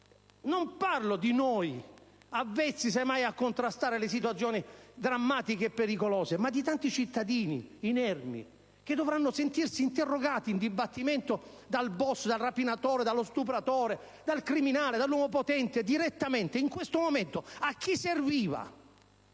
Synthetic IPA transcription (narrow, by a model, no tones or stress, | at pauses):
nomparlod̪inɔjavːɛt̪sːis̬emːajakːont̪ɾast̪aːɾelɪs̬it̪̬wat̪sjɔːnid̪ɾamːaːt̪ikeːpːeɾikolɔːsemad̪ːit̪ant̪it͡ʃit̪ːad̪iːnḭinɛrmḭ | k̟ed̪ovɾanːʊsent̪irsiːnt̪erːoɡaːt̪iːnd̪ibat̪ːiment̪o | d̪albɔsd̪alrapinat̪ɔːɾed̪alːost̪up̬ɾat̪ɔːɾe | d̪alkɾiminaːled̪alːwɔmop̬ot̪ɛnt̪ed̪iɾet̪ːamɛnt̪eiŋkwest̪omoment̪oak̟ːiserviːva̰